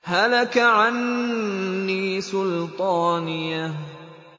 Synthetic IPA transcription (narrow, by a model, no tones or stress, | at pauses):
halakaʕanː | iːsʊlt̪ˤɑːnɪja